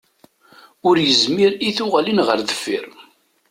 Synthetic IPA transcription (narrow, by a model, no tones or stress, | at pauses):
ʊɾjəzmiɾiθʊʁalinʁəɾðəfːḭɾ